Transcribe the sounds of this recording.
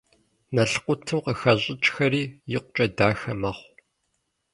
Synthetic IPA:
nɐɬqʷʊtʰɨmqəxɐɕʼɪt͡ʃʼxɐriːjɪqʷʊt͡ʃʼɐdaːxɐmɐχʷ

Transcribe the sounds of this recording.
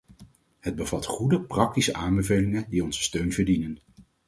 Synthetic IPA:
ɦəd̚bəvɑtχudəprɑk̚tisəʔaːmbəvejlɪŋədiɔnzəstøɥnvəɹdinən

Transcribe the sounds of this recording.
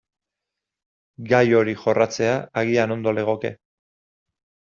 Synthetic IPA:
ɡajo̞ɾixo̞rat͡se̞aaɣ̞iano̞nd̪o̞le̞ɣ̞o̞ke̞̰

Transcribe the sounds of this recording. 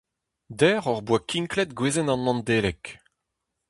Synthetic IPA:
d̪ɛːʁɔʁbwakiŋklɛt̪ɡweːzɛnɑ̃nːɑ̃nd̪eːlɛk

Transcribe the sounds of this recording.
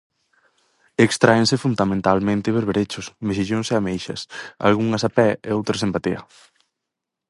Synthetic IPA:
ekst̪ɾaensɪfund̪amẽnt̪almẽnt̪ɪβeɾβeɾet͡ʃʊsmeʃ̬iʎonseamejʃɐ̰sa̰lɣuŋɐsapɛeowt̪ɾɐsempat̪iɐ̰

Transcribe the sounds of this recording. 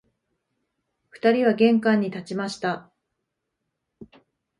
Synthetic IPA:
ɸɯ̟̥t̪aɾʲiβaɡẽ̞ŋkãɲ̟ːit̪at͡ɕimaɕi̥t̪a

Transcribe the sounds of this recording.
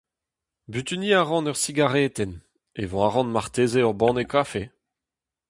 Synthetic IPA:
byt̪yniːaʁɑ̃nœʁsiɡaʁɛːt̪ɛn | evɔ̃aʁɑ̃nmaʁt̪eːzeœʁbɑ̃nekʰafe

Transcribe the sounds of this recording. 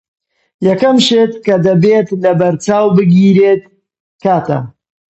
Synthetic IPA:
jɐkɐmʃeːt̪kɐd̪ɐbet̪lɐbɐɾt͡ʃaːwbɨɡiːɾeːt̪̚ | kaːt̪ɐ̰

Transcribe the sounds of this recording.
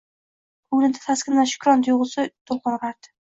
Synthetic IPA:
ʊlɪnd̪ɪ̥faskʲɪnːaʃʊ̥kʲɾɒnt̪joʁɨsɪt̪ʰolqɑɾʁɑɾd̪ɪ̥

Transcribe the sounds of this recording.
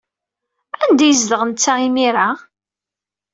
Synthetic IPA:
ænd̪æjəzd̪əʁənt͡sːæimiɾa

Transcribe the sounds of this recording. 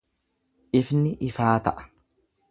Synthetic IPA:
ʔɪfnɪʔɪfaːt̪ɐʔɐ̥

